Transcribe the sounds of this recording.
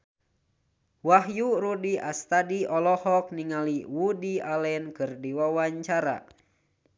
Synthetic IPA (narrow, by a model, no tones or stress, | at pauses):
waɦjuɾudiast̪adiɔlɔhɔk̚niŋaliwudialɛnkɨrdiwawaɲt͡ʃaɾa̰